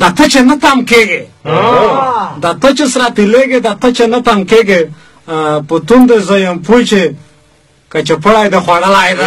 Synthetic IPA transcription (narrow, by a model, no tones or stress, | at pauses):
d̪at̪ət͡ʃenɐt̪amkeɡe | d̪at̪ət͡ʃesɾat̪ileɡed̪at̪ɐt͡ʃenat̪amkeɡe | put̪und̪ezojɐmpujt͡ʃe | kat͡ʃepɐɽajd̪exwaɽɐlajd̪e